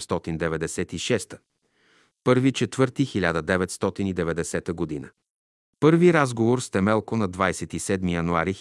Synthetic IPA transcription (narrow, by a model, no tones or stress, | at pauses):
st̪ɔt̪ind̪ɛvɛd̪ɛsɛt̪iʃɛst̪ə̥ | pɤɾvit͡ʃɛt̪vɤɾt̪ixilʲad̪əd̪ɛvɛt̪st̪ɔt̪inid̪ɛvɛd̪ɛsɛt̪əɡod̪inə̰ | pɤɾviɾazɡovoɾst̪ɛmɛlˠkonɐd̪vajsɛt̪isɛd̪mijɐnuaɾi